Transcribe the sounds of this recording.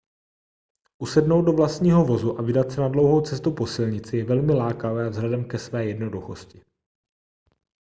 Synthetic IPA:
ʔusɛdno̞wd̚do̞vlast̪ɲiːɦo̞vo̞zuʔavɪdat̪sɛnadlo̞wɦo̞wt͡sɛst̪upo̞sɪlɲɪt͡sɪjɛvɛlmɪlaːkavɛːavzɦlɛdɛmkɛsvɛːjɛdno̞duxo̞scɪ̥

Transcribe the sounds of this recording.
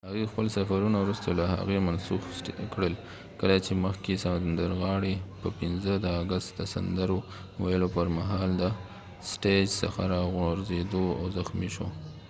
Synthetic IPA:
haɣixpəlsafaɾunawɾust̪olaha̰ɣemansuxkɽəl | kəlat͡ʃeməxkesand̪əɾɣɑɽepəpɪnzəd̪əːɡast̪d̪əsa̰nd̪əɾo | wajəlopəɾmaɦɑld̪ə | sʈed͡ʒsə̰xaɾɑɣaɾzed̪oa̰wzaxmiʃo̰

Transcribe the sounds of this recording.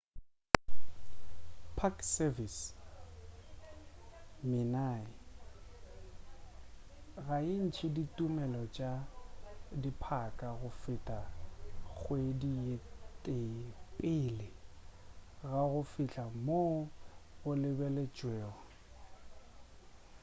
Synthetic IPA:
pʰaksɛvis | mɪnaɪ | ɣaɪn̩t͡ʃʰɪditʼumɛlɔt͡ʃʼa | dipʰakʼaɣʊfɪtʼaɣwedietʼepʼɪlɪ | ɣaɣʊfɪt͡ɬʼamoɣʊlɪbɛlet͡ʃʼwɛːɣɔ

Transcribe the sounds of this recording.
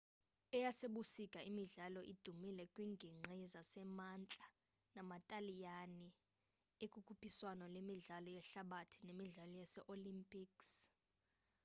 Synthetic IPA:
ɛjaseɓusikʼaimiɮalɔʔid̥ʱumilɛkʼwiŋɡʱiŋ͡ǀʱizasɛmant͡ɬʼa | namatʼalijani | ekʼukʰupʰiswanɔlemiɮalɔjɛɬaɓatʰinemiɮalɔjasɛʔolimpʼiːks

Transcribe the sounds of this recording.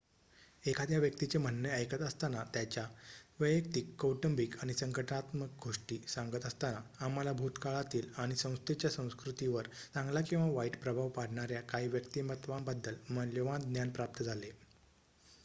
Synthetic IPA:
ekʰad̪jaʋjək̚t̪it͡sem̤ənːəəjkət̪əst̪anat̪jat͡ɕjaʋəjək̚t̪ikːowʈəmbikaɽ̃isəŋkəʈənat̪mək̚ɡʱoʂʈiːsãŋɡət̪əst̪anaam̤alabʱut̪kaɭat̪iːlaɽ̃isə̃w̃st̪et͡ɕjasə̃w̃skɾut̪iʋəɾt͡sãŋɡlakĩw̃ʋaʋaiʈpɾəbʱaʋpaɽɳaɾjakaɦiʋjəkt̪imət̪ʋambad̪ːəlmənljoʋãnd̪njanpɾap̚t̪əd͡zʱale

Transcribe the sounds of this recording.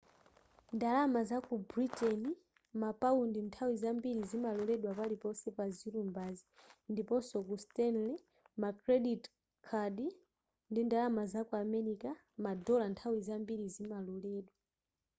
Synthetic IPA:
ndalamazakubɾitɛni | mapaundintʰawizambiɾizimalɔlɛɗwapalipɔsɛpaziɾumbazindipɔsɔkustɛnlɛ | makɾɛɗit | kʰaɗi | ndindalamazakuamɛɾika | madɔlantʰawizambiɾizimalɔlɛːɗwa

